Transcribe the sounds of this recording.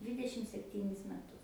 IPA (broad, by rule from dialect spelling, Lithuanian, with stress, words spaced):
ˈdʲʋʲɪdʲɛʃʲɪm sʲɛpʲˈtʲiːnʲɪs mʲɛˈtʊs